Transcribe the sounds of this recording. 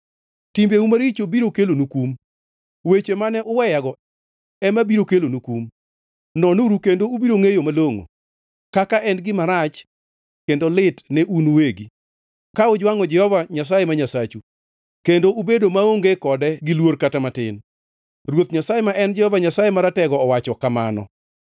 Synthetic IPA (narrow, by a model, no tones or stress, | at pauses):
timbeumaɾit͡ʃobiɾokelonukum | wet͡ʃemanɛʔʊwɛjaɡɔ | ɛmabiɾokelonukum | nɔnuɾukendoubiɾoŋejomaloŋo̰ | kakaʔɛnɡɪmaɾat͡ʃ | kendolɪtnɛʔunuweɡi | kaʊd͡ʒwaŋɔd͡ʒɛhɔvaɲas̬ajemaɲasat͡ʃu | kendoʔubedomaoŋɡekɔdɛɡɪlworkatamatɪ̰n | rwot̪ɲasajɛmaʔɛnd͡ʒɛhɔvaɲasajemaɾatɛɡɔːwat͡ʃɔkama̰nɔ̰